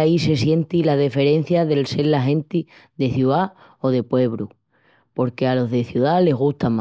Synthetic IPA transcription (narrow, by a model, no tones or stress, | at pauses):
aise̞sje̞nt̪ilaðife̞ɾe̞n̟θjaðe̞lse̞ɾlaɦẽ̞nt̪i | ðe̞θjuða | o̞ðe̞pwe̞β̞ɾṵ | po̞ɾke̞alo̞ɦðe̞θjuðale̞ɣuht̪ama